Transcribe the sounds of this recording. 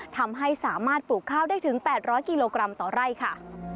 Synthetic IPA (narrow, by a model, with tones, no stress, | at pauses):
t̪ʰa˧mɦa˥˩jsaː˩˦maː˥˩t̪̚puː˨˩kʰːaː˥˩wdaː˥˩jt̪ʰɯ˩˦ŋpɛː˨˩t̪̚ɾɔː˦˥jkiː˧loː˧kɾa˧mt̪ɔː˨˩ɾa˥˩jkʰa˥˩